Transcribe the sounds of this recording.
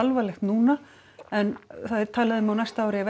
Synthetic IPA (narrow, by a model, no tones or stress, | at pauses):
alvalɛxt̪nuːna | ɛnθaðt̪ʰaːlaðʏmawnajst̪aawɾɪavɛ